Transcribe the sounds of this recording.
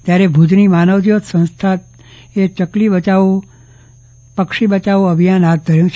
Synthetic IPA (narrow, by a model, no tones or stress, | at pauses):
t̪jaɾebʱud͡ʒnimanəʋt̪jot̪sə̃nst̪ʰat̪̚ | et͡ʃəklibət͡ʃaʋu | pəkʃibət͡ʃaʋũəbʱijanɦat̪̚d̪ʱəɾjũt͡ʃʰ